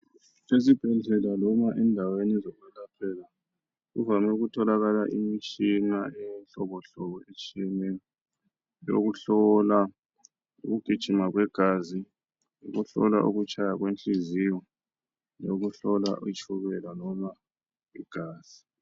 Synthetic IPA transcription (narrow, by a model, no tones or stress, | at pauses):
ezib̥ʱɛɮɛlalɔmaʔɛndʱawenɛzɔɣwɛlapʰɛla | ɣṵvamɛuɣutʰɔlaɣalaʔimit͡ʃʼinaɛnɬɔβɔɬɔβɔet͡ʃʼimɛ | jo̰ɣuɬɔla | o̰ɣuɡ̥ʱid̥ʒ̥ʱimaɣwɛɡ̥ʱaːzi | joɣuɬɔ̰la̰ʔuɣut͡ʃʰʼajaɣwent͡ɬʼiziwɔ | loɣuɬɔla̰ʔit͡ʃʼʰuβɛlalɔma | iɡ̥ʱaːz̥i